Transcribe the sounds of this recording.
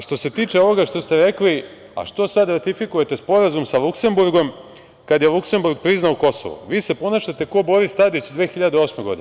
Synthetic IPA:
ʃt̪o̞se̞t̪iːt͡ʃeo̞ʋo̞ɡaʃt̪o̞st̪eɾe̞kli | a̰ʃt̪o̞sad̪ɾat̪ifikuje̞t̪e̞spo̞ɾazumsalˠukse̞mbuɾɡo̞m | kad̪jelˠukse̞mbuɾɡ̚pɾiznauko̞so̰ʋṵʋiːse̞po̞naʃat̪e̞ko̞bo̞ɾist̪ad̪it͡ɕd̪ʋeːxiʎad̪eo̞smeɡo̞d̪ine

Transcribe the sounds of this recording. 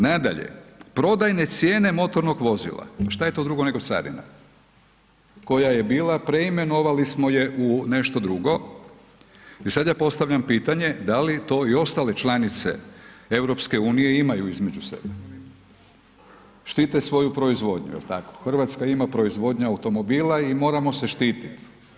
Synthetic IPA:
nad̪a̰ʎḛpɾo̞d̪ajne̞t̪sje̞ːne̞mo̞t̪o̞ɾno̞ɡʋo̞zḭlˠa̰ʃt̪aje̞t̪o̞d̪ɾuɡo̞ne̞ɡo̞t̪sa̰d̪ḭna̰ | ko̞jaje̞biːlˠapɾe̞ime̞no̞ʋalismo̞je̞ʔune̞ʃt̪o̞d̪ɾuɡo̞ | isad̪japo̞st̪aʋʎampiːt̪aɲe̞d̪alit̪o̞ːio̞st̪alet͡ʃlanit̪sḛe̞wɾopske̞uːnije̞imajuizme̞d͡ʒuse̞̰be | ʃt̪iːt̪esʋo̞jupɾo̞izʋo̞d̪ɲṵjḛlt̪ako̥xr̩ʋat̪skaimapɾo̞izʋo̞d̪ɲaaut̪o̞mo̞biːlaimo̞ːɾamo̞seʃt̪iːt̪it̪

